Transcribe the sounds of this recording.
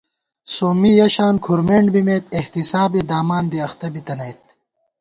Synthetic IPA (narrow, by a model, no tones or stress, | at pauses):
soːmijɐɕaːnkʰuɾmeɳɖbimeːt̪eht̪isaːbed̪aːmaːnd̪iɐxt̪ɐbit̪ɐnɐjt̪̚